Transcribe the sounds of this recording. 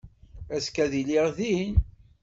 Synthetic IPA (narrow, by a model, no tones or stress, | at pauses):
æskæðiliʁðin